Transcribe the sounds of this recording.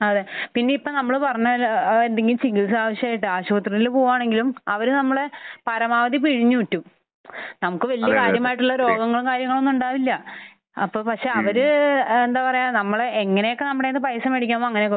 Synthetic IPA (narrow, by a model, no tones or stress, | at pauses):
ɐðepinːe̞ipːoːnɐmːɐɭpɐrɐɲːaːlend̪eŋɡilt͡ɕiŋɡilsaːʋɐɕjɐaːjiʈːɨaːɕuʋɐt̪riðilupoːuːaːɳe̞ŋɡilumɐʋɐɾunɐmːɐɭe̞pɐɾɐmaːʋɐd̪ipiɻiɲːuutːum | nɐmukːɨʋɐlijɐkaːɾjɐmaːjiʈːuɭːɐɾo̞ːɡɐŋːɐɭumkaːɾjɐŋːɐɭo̞nːuɳɖaːʋilːɐː | pːo̞ːpɐkʂe̞ɐʋɐɾuend̪aːpɐrɐjaːnɐmːɐɭeeŋːɐne̞jokːe̞nɐmːɐɽe̞inːɨpɐjɐsɐmeɽikʲːaːmːoːɐŋːɐnejokːe